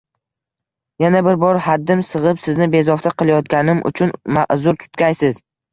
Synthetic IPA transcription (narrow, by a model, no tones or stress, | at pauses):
janabɪɾbɒɾhad̪ːɪmsɨʁɨpsɪznɪbe̞zɒft̪ʰaqɨlˠajɒt̪̚ɡʲanɪmʔʊ̰t͡ʃʰʊnma̰ʔzʊɾt̪ʰʊ̥t̪kʲajsɪz